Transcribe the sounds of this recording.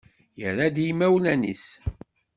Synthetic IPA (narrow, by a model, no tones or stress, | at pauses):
jəɾːad̪jimæwlænḭs